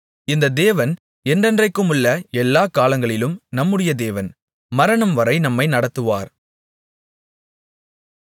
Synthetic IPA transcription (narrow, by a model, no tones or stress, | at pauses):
ɪnd̪ɐd̪eːʋɐn | ɛndɛndrɐɪkːɯmʊɭːɐɛlːaːkaːlɐŋɡɐɭɪlɯmnɐmːɯɽɪjɐd̪eːʋɐn | mɐɾɐɳɐmʋɐɾɐɪnɐmːɐɪnɐɽɐt̪ːɯʋaːɾ